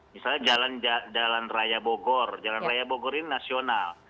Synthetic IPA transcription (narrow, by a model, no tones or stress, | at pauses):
misalɲad͡ʒaland͡ʒad͡ʒalanrajaboɡɔrd͡ʒalanrajabɔɡɔrinnasional